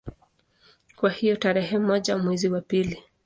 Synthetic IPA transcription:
kwahijɔtaɾɛhɛm̩ɔʄamwɛziwapili

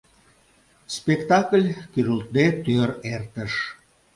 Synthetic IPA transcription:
spekt̪ɑkəlʲkyɾult̪̚d̪et̪øɾert̪əʃ

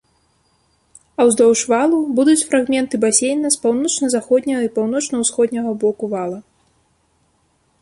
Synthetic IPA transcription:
ɐwzd̪ɔwʂvalˠubud̪ut͡sʲfɾaɣmʲɛnt̪ɨbasʲejnɐspawnɔt͡ʂnɐzaxɔd̪ʲnʲɐɣɐipawn̪ɔt͡ʂnɐwsxɔd̪ʲnʲɐɣɐbɔkuvalˠɐ

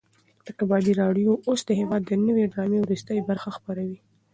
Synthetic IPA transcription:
ləkabɑd̪iɾɑɖjoʔosd̪əhewɑd̪ːənəweɖɾɑmewɾust̪əjbaɾxaxpaɾawi

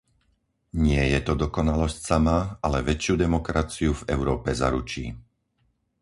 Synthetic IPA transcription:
ɲɪɛjɛt̪ɔd̪ɔkɔnalɔscsamaalɛʋɛt͡ʃjuːd̪ɛmɔkɾat͡siuvɛʊɾɔːpɛza̰ɾut͡ʃḭː

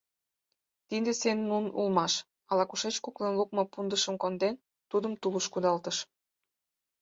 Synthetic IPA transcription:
t̪ind̪esenːunṵlmɑʃ | ɑlɑkuʃet͡ɕkuklenluk̚mɤpund̪əʃəmkond̪en | t̪ud̪əmt̪uləʃkud̪ɑlt̪əʃ

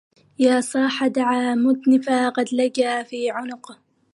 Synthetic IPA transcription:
jaːsˤɑːħad̪aʕaːmʊd̪nɪfaqɑd̪lad͡ʒaːfiːʕʊnʊq

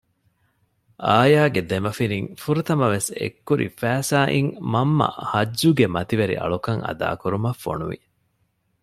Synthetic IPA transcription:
ʔaːjaːɡed̪emɐfiniŋfuɾut̪ɐmɐʋesḛkːuɾʔḭfæːsaːʔiŋmɐmːɐ̰hɐːuɡemɐt̪iʋɐɾḭʔɐ̰ɭukɐŋɐ̰d̪a̰ːkuɾumɐfːo̰nuʋḭ

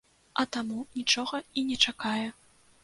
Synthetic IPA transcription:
ɐt̪amunʲit͡ʂɔɣɐinʲɛt͡ʂakajɛ

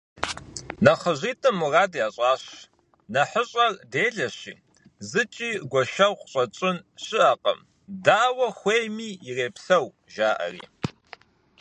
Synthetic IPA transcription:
nɐχəʑʷiːtʰʼɨmːuraːdaːɕʼɑːɕ | nɐħəɕʼɐrdeːɮɐɕḭː | zɨt͡ʃʼiːɡʷɔʃɐwqɕʼɐt͡ʃʼɪnɕɪʔɐqʼə̰m | daːwɐxʷeːjmiːɪreːpsɐw | ʒaːʔɐ̰rḭː

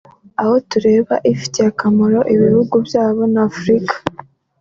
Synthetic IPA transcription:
aho̞tuɾe̞ːβaʔifi̥teakamoɾo̞ʔiβihuɡubjaːβo̞nafɾikḁ

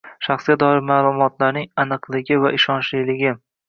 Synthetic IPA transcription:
ʃaχsɡʲad̪ɒɪɾmaːlˠʊmɒt̪ʰlaɾnɪŋanɨqlˠɪɡʲɪvaʔɪʃɒnʃlijlɪɡʲɪ

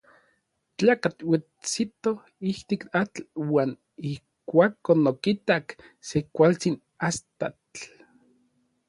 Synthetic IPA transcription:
t͡ɬaːkat͡ɬwi | t͡sit̪o | iht̪ikat͡ɬwaːn | ih | kʷaːkonokit̪aksekʷalt͡sin | ast̪at͡ɬ

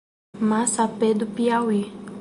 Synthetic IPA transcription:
masaped̪upiawi

